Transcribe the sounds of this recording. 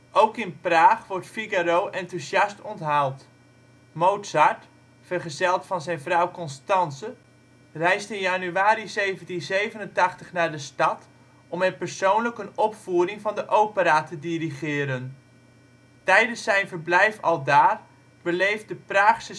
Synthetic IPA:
ʔowkɪnpraːχʋɔɹtfiɡaɾowʔɛntuzjɑstɔntɦalˠt | mowtsaɹt | fərχəzɛlˠtfɑnzɛjnvrɑwkɔnstɑnsə | rɛjstɪnjanyaːɾizejvəntinzejvənəntɑχtəχnaːɹdəstɑt | ɔmɛpəɹsownləkənɔpfuːrɪŋvɑndəʔowpəɾaːtədiriχɪːɾən | tɛjdənsːɛjnvərblɛjfɑ̰lˠdaːr | bəlejf̚dəpraːχsə

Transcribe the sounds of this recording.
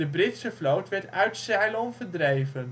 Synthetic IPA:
əbrɪtsəflowtʋɛɹtœɥtsɛjlɔnvəɹdrejvən

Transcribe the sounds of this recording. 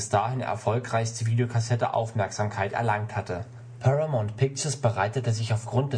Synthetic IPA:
ɪsd̥aːhɪnɛ̰ɐfɔlkʁ̥aɪçstəviːdeokʰasɛtə̰ʔa̰ʊfmɛɐkz̥aːmkʰaɪtɛ̰ɐlaŋk̚thatə | pʰɛʁamontpʰɪk̚t͡ʃɐsb̥əʁaɪtətəzɪçaʊfɡ̥ʁʊnt̚d̥ɛ

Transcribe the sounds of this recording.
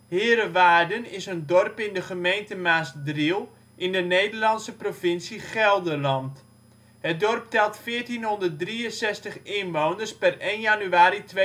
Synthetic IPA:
hɪːɾəʋaːdənɪsəndɔrpɪndəχəmejntəmaːsdrilˠ | ʔɪndəneːdərlɑnsəprofɪnsiχɛlˠdəlɑnt | ɦət̚dɔrp̚tɛlˠtfɪətinɦondərt̚driənsɛstəχɪnʋownərspɛrenjanyaːɾitʋe

